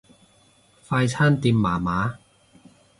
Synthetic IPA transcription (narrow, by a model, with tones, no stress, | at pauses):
faː˧jt͡sʰaː˥nt̪iː˧mːaː˨˩maː˨˧˥